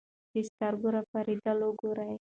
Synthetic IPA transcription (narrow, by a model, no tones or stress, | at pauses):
dist̪arɡuɾapaɾid̪aloɡuɾaj